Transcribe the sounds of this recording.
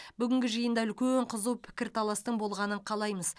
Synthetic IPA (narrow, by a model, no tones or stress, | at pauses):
bʏɡʲɪŋɡʲɪʒəjənd̪ɑʏlʲkʲeɴqʰəzuwpʰɪ̥kʲɪɾt̪ʰɑlˠɑst̪əɴbo̞lˠʁɑnəɴqʰɑlˠɑjməz